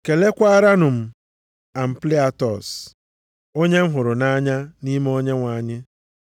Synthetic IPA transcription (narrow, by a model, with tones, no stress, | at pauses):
ke˨le˦kʷa˦ɾa˦nʊ˨m̩˨ | a˨m̩˨pli˦a˦˨tɔ˨s | o˦ɲe˦m̩˦ɦʊ˨ɾʊ˨na˦ɲa˦ni˦m˦o˦ɲe˦ŋʷa˨ɲɪ˦